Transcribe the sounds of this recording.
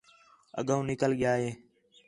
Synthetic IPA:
ə̰ɠũːnɪkəlɠɪjaːɦeː

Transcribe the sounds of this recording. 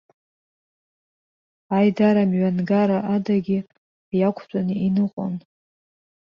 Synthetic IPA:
ajdaɾamɥanɡaɾaʔadaɡʲi | jakʷʰt͡sʷʼaniinɨqʷʼo̰n

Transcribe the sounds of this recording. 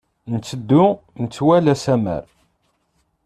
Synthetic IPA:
nt͡sːəd̪ːʊ | nət͡sːwælæsæmə̰ɾ

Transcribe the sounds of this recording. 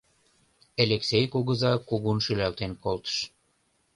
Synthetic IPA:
eleksejkuɣə̆zɑkuɣunʃylælt̪enkolt̪ə̥ʃ

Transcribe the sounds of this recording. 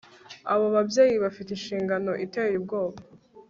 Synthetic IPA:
aβoβabje̞ːjiβafitinʃiːŋɡano̞ʔiteːɾibɡo̞ːβa

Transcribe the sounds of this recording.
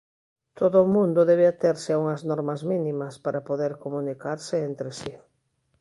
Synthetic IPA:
t̪ʰoðʊːmũnd̪oðɛβ̞eat̪eɾsɪauŋɐznɔɾmɐzminimɐspaɾapoðeɾkomunikaɾsɪent̪ɾesi

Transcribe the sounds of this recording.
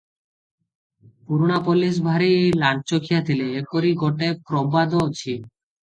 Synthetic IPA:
puɾunapolis̬bʱaɾielaɳʈ̚t͡ɕokʰijat̪ʰileekoɾiɡoʈekɾombad̪ot͡ɕʰi

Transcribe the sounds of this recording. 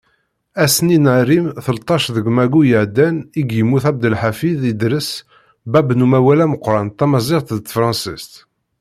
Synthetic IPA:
æsninəɾimθəlt̪ˤɑʃðəɡmæɡujəʕd̪ːæniɡjəmːuθæb̚d̪əlħafiðid̪ɾəs | bæbnumæwælæməqːɾˤɑnt̪æmɑzˤɪʁt̪ðt̪fɾˤɑ̃nsist̪

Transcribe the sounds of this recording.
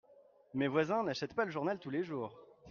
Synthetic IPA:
mevwazɛ̃naʃɛt̪paləʒuʁnalt̪uleʒuːʁ

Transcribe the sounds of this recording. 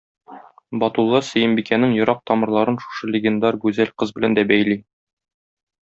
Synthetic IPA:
bɒt̪ulˠːɑsɵ̆jɘ̆mbikænɘŋjŏɾɑq̚t̪ɒmɤ̆ɾlˠɑɾɤnʃu̥ʃɤlʲɪɡʲend̪ɑɾɡʉzælqɤzbɘ̆lænd̪æbæjli

